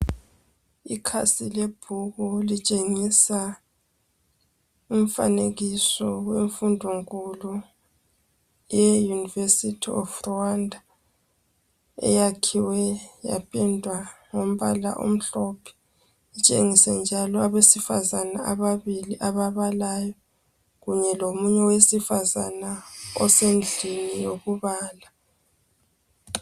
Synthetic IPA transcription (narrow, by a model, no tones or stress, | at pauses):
ikʰa̰sileb̥ʱuɣulit͡ʃʼeŋisa | um̩fa̰neɣisɔweɱfundʱoŋkʼulu | jɛjunivesitʰiɔ̰frɔwandʱa | ɛ̰jakʰiwɛja̰pʼɛndʱwaŋom̩βala̰ʔo̰m̩ɬɔpʰɛ̥ | it͡ʃʼeŋisɛnd͡ʒʱalɔaβesifa̰zanaʔaβaβiliʔaβaβalajɔ | ɣuɲɛlomuɲɛwesifaza̰naɔ̰send͡ɮʱinijoɣuβaːla